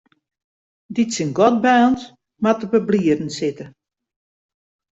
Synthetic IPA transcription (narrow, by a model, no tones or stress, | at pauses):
ditsinɡɔt̚baːnt | matəbəbliədn̩sɪtə